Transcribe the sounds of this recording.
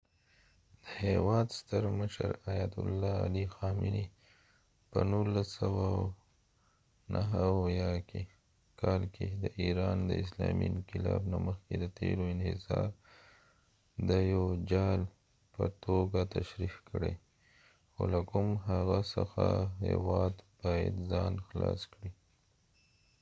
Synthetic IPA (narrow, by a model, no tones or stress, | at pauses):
d̪̥əhewɑd̪st̪əɾməʃəɾajat̪ʊlːɑalixɑmɪni | pənulːasawa | nʔaɦawjɑkʰe | kʰɑlkʰed̪əʔiɾɑnd̪əɪslɑminkɪlɑbnaməxked̪ət̪eɾoɪnhɪzɑɾ | d̪əjawd͡ʒɑl | pət̪oɡat̪aʃɾifkəɽe | xolakʊmɦaɣasəxaɦewɑd̪b̥ɑja̰d̪zɑnxlɑskɽi